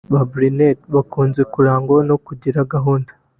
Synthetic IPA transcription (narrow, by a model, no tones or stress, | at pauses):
βabɾinetβakuːnzekuɾaːŋɡo̞no̞kuɟiɾaɡaɦuːndḁ